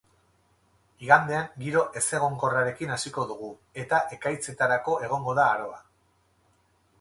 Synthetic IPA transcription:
iɣand̪e̞aŋɡiɾo̞ʔe̞se̞ɣ̞o̞ŋko̞raɾe̞kinasiko̞ðuɣ̞u | e̞t̪aʔe̞kajt͡se̞t̪aɾako̞e̞ɣ̞o̞ŋɡo̞ðaːɾo̞a

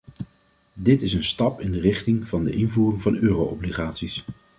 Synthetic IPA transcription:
dɪtɪsənstɑpɪndərɪχtɪŋv̥ɑndəʔɪnvuːrɪŋvɑnøːrowʔɔbliχaːtsis

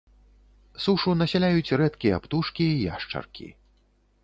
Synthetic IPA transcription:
suʂunɐsʲalʲajut͡sʲrɛt̪kʲijɐpt̪uʂkʲiːja̰ʂt͡ʂɐ̰rkʲḭ

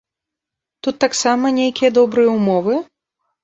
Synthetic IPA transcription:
t̪ut̪ːaksamɐnʲejkʲijɐd̪ɔbɾɨjɛumɔvɨ

